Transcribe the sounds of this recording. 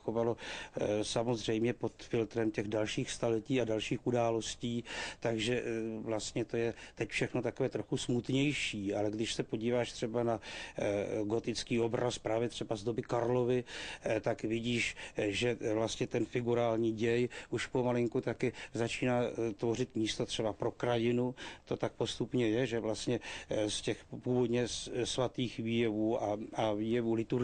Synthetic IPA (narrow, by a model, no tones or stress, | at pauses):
xovalo̞samo̞zr̝ɛjmɲɛpo̞t̪fɪlt̪ɾɛmcɛɣdalʃiːxst̪alɛciːadalʃiːxʔudaːlo̞sciːt̪aɡʒɛvlast̪ɲɛt̪o̞jɛt̪ɛcfʃɛxnot̪akovɛːt̪ɾoxusmut̪ɲɛjʃiːʔalɛɡdɪʃsɛpo̞ɟiːvaːʃt̪r̝̥ɛbana | ɡo̞t̪ɪt͡skiːo̞bɾaspɾaːvjɛt̪r̝̥ɛbazdo̞bɪkaɾlo̞vɪt̪akvɪɟiːʃʒɛvlast̪ɲɛt̪ɛnfɪɡuɾaːlɲiːɟɛjʔuʃpomalɪŋkut̪akɪzat͡ʃiːnaːt̪vo̞rɪt̪miːst̪o̞t̪r̥ɛbapɾo̞kɾajɪnut̪o̞t̪ak̚po̞st̪upɲɛjɛʒɛvlast̪ɲɛscɛxpuːvod̪ɲɛsvat̪iːxviːjɛvuːʔaaviːjɛvuːlɪt̪uɾ